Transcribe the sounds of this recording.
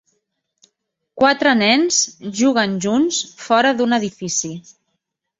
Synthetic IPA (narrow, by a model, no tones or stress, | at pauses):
kwat̪ɾənɛnsʒuɣənʒunsfɔɾəðunəðifisi